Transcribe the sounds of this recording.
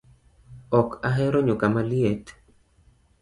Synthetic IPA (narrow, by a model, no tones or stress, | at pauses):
ɔkaɦɛɾɔɲʊkamaliet